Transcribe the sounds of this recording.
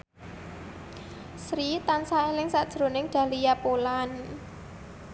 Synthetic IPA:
sɾit̪ansaelɪŋsaʔd̥ʒ̥ɾo̤nɪŋɖ̥ä̤lijapolan

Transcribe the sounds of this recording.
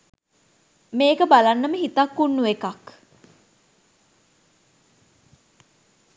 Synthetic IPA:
meːkəbalanːəməɦit̪akːunːuʋekak

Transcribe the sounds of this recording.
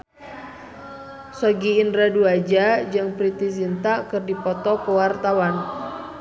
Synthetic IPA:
sɔɡiːndɾaduad͡ʒad͡ʒɨŋpɾit̪isint̪akɨrdipɔt̪ɔkəwart̪awan

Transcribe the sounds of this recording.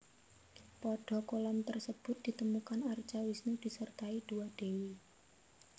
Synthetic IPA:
pɔɖ̥ɔ̤kolɔmt̪ərsəb̥ʊ̤t̪̚d̪̥i̤t̪əmukanart͡ʃawisnud̥i̤sərt̪aid̥uaɖ̥ewi

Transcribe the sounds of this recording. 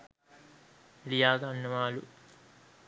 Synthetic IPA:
lijaːɡɐɐnːumaːlu

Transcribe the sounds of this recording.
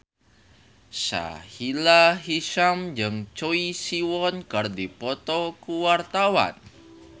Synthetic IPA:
sa̰hilaɦiʃamd͡ʒɨŋt͡ʃoisiwɔnkərdipɔt̪ɔkuwart̪awa̰n

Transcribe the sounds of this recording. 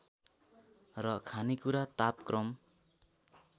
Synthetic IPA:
rʌkʰanikuɾat̪apkrʌm

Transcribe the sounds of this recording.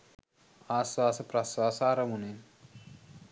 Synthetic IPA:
aːswaːsɐpɾɐswaːsaːɾɐmunen

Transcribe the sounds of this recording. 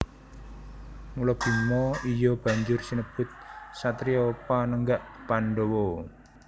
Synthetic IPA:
ŋulɔb̥i̤mɔijɔb̥ä̤ɲd͡ʒʊrsinəb̥ʊt̪̚sat̪ɾiopanəŋɡaʔpanɖowɔ

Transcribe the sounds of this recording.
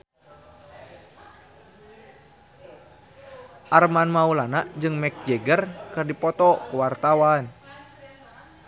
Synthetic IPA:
ʔarmanmaulanaʔd͡ʒɨŋmɛk̚d͡ʒɛɡərkɨrdipɔt̪ɔkuwart̪awan

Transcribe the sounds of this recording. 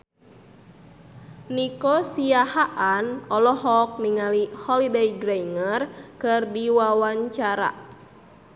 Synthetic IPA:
nikɔsiahaʔanɔlɔɦɔk̚niŋalihɔlidejɡɾajŋərkɨrdiwawaɲt͡ʃaɾa̰

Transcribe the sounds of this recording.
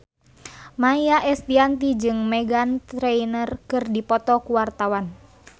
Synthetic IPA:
majaʔɛst̪iant̪id͡ʒɨŋmɛɡant̪ɾɛinərkɨrdipɔt̪ɔkuwart̪awan

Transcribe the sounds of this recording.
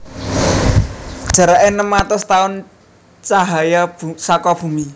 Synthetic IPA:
ʒ̥a̤ɾaʔenəmːat̪ʊst̪aʊn | t͡ʃaɦajabsakɔb̥ṳmi

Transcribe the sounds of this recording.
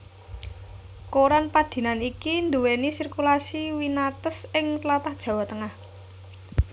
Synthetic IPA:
koɾanpad̪̥i̤nanikind̪uwenisirkulasiwinat̪əsɪŋt̪lat̪ahd̥ʒ̥ä̤wat̪əŋah

